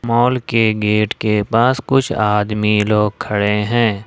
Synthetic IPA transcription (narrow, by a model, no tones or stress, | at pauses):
mɔːlkeɡeːʈkepaːskʊt͡ʃʰaːd̪miloːɡ̚kʰːɐɽeɦɛ̃ː